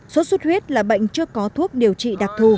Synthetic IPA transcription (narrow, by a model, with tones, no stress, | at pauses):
so˨˦su˦˥t̚hwi˦˥ət̚laː˨˩ɓə̰˧˨jŋ̟t͡ɕɨ˧əkɔ˨˦t̪ʰu˦˥ək̚ɗi˨˩əwt͡ɕḭ˧˨ɗaː˨˩k̚t̪ʰu˧